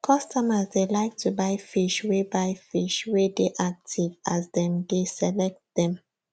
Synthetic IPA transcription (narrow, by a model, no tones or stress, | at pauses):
kʰɔstʰɔməsdelaɪk̚tʰubaɪfiʃwebaɪfiʃwedeʔak̚tʰivasdɛ̃mdesɛlɛk̚t̚dɛ̃m